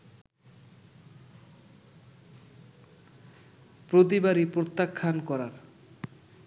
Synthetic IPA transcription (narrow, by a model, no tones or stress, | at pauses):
pɾot̪̬ibaɾipɾot̪ːakʰːankɔɾaɾ